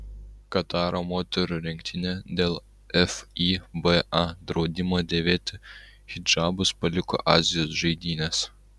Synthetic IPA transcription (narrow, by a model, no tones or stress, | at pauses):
kɐt̪ɑːɾoːmoːt̪ʲɛɾʊɾʲɪŋʲk̚ʲt̪ʲɪnʲɛd̪ʲeːlˠ | ɛfibɛɑd̪ɾɒʊd̪ʲɪmoːd̪ʲeːʋʲeːt̪ʲɪ | xʲɪd͡ʒɑːbʊspɐlʲɪkɔ̰ʔɑːzʲɪjoːsʒɐɪd̪ʲiːnʲɛs